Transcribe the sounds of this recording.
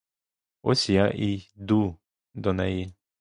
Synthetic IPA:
ɔ̰sʲijaʔid̪u | d̪ɔnɛji

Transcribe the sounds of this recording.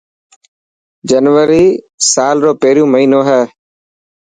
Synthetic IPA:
d͡ʒənʋəɾiː | saːlɾoːpeːɾjũːməɦiːnoːɦɛː

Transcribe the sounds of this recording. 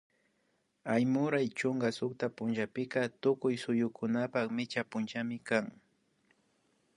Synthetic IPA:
ajmʊɾajt͡ʃʊŋɡasʊkt̪apʊnt͡ʃapɪkat̪ʊkʊjsʊjʊkʊnapakmɪt͡ʃapʊnt͡ʃamɪkaŋ

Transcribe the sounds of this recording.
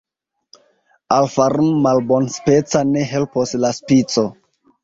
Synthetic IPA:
alfaɾunmalbonspe̞t͡sane̞ɦe̞lposlaspit͡so

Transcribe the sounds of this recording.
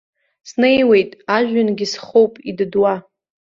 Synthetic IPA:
snejwe̞jtʼaʒᶣanɡʲisχowpʼidɨdwa

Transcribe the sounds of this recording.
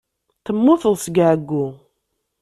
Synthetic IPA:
θəmːʊθəlˤsɡʕəɡːu

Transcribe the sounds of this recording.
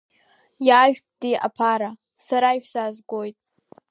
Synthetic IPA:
jaːʒᶣd̥iʔa̰pʰaɾa | saɾajʃzazɡojtʼ

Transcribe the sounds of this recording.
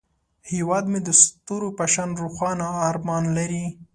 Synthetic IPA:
hewɑd̪med̪əst̪oɾopaʃɑnɾuxwɑnaːɾmɑnlaɾi

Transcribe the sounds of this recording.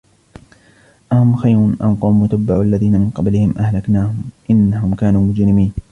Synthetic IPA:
ʔahʊmxajɾʊnʔa̰nquːmːʊt̪abːaʕʔalːaðiːnamɪnqɑblɪhɪmʔahlaknaːhʊmmʔɪnːahʊmkaːnuːmʊd͡ʒɾɪmiːn

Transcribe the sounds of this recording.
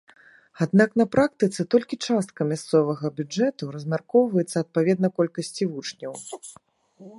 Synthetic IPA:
ad̪naknɐpɾak̚t̪ɨt̪sɨt̪ɔlʲkʲit͡ʂast̪̚kɐmʲast̪sɔvɐɣɐbʲud͡ʐɛt̪uɾɐzʲmʲarkɔwvɐjɛt̪sːɐːt̪̚pavʲɛd̪nɐkɔlʲkɐsʲt͡sʲivut͡ʂnʲɐw

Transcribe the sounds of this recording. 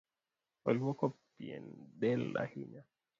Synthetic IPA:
ɔlwɔkɔppiɛ̰nɗɛlːa̰hiɲa

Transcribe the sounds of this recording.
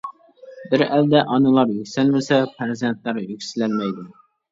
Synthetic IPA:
bɪɾæld̪ɛʔɑnɨlˠɑɾjykʲsælmɪsɛpʰæɾzent̪læɾjykʲsɪlɛlmɛjd̪u

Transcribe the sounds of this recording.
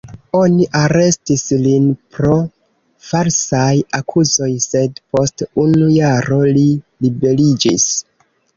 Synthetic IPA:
o̞niʔaɾe̞stislinpɾo̞ | faɾsajakʰuzo̞jse̞dpo̞stunujaɾo̞lilibe̞lid͡ʒḭs

